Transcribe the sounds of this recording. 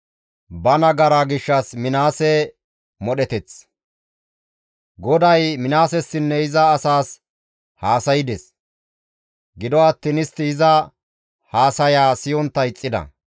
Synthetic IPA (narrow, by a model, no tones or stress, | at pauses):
bɐnɐɡɐɾaɡɪʃːɐsmɪnaːsɛ | mɔɗɛt̪ɛt͡s | ɡɔd̪ɐjmɪnaːsɛsːɪnːɛɪzɐːsaːs | haːsɐjɪd̪ɛs | ɡɪd̪ɔɐt̪ːinɪst̪ːɪɪzɐ | haːsɐjaːsɪjɔnt̪ːɐjɪt͡sʼːɪd̪ɐ̰